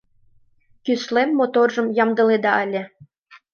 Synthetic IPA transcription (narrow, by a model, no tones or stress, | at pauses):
kyslemːot̪orʒə̆mjɑmd̪ɤ̆led̪ɑəlʲĕ